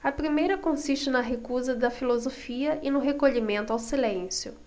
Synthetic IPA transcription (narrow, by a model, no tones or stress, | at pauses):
ɐpɾimejɾɐkõsiʃt͡ʃɪnɐɦekuzɐd̪ɐfilozofiɐʔɪnʊɦekoʎimẽnt̪ʊawsilẽsjʊ